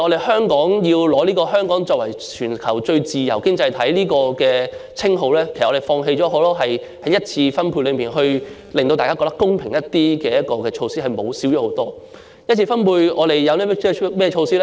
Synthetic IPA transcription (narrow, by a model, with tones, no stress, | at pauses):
ɔ˨˧ɾe˨˩hœː˥ŋkɔː˨˥ŋjiː˧wlɔː˨˧˥liː˥kɔː˧ɦœː˥ŋkɔː˨˥ŋt͡ʃɔː˧k̚wɐ˨˩jt͡ʃʰyː˨˩nkʰɐ˨˩wt͡ʃɵ˧ɥt͡siː˨jɐ˨˩wkɪ˥ŋt͡sɐ˧jt̪ʰɐ˨˥jliː˥kɔː˧kɛː˧t͡sʰɪ˥ŋɦo˨˧wlɛː˥kʰe˨˩sʔɔ˨˧e˨˩fɔː˧ŋɦe˧jt͡ʃɔː˨˥ɦo˨˥wlɔː˥ɦɐ˨j | hɐ˨˥jɐ˥t̚t͡sʰiː˧fɐ˥npʰu˧lɵ˨˧ɥmiː˨nɦɵ˧ɥ | le˨ŋt̪o˧wt̪aː˨kaː˥kɔ˧t̪ɐ˥kːʊ˥ŋpʰɪ˨˩ŋjɐ˥t̪iː˥kɛː˧jɐ˥t̚kɔː˧kɛː˧t͡ʃʰo˧wsiː˥ɦɐ˨jmo˨˧wsiː˨˥wjɔː˨˥ho˨˧˥wt̪ɔː˥ | jɐ˥t̚t͡sʰiː˧fɐ˥npʰuː˧jɔː˨˧ɾe˨jːɐ˨˧wniː˥mɛ˥˧mɛː˥ɛ˧t͡ʃʰo˧wsiː˥lɛ˥